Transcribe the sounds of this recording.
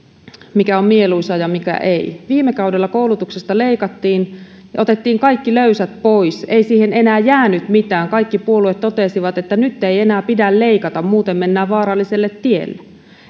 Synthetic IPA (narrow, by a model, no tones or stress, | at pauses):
mikæommieluisɑjɑmikæ̰ʔeiʋiːmːekɑudelːɑkoulut̪uksest̪ɑle̞ikɑt̪ːiːn | jɑʔot̪et̪ːiːŋkɑikːiløysæt̪poijseisiːhene̞næːjæːnyt̪mit̪æːŋkɑikːipuoluet̪t̪o̞t̪esiʋɑt̪et̪ːænyt̪ːeienæːpidælle̞ikɑt̪ɑmmuːt̪emːe̞nːæːʋʋɑːɾɑlːiselːet̪ːiḛlːe